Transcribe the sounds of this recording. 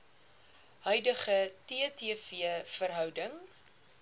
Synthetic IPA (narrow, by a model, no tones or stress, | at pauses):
ɦœɥdəχətiətifiəfərɦœwdəŋ